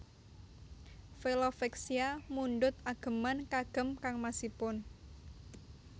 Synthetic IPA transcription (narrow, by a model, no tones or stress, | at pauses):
felofɛksiamuɳɖʊt̪̚aɡ̥ə̤mankaɡ̥ə̤mkaŋmasipʊn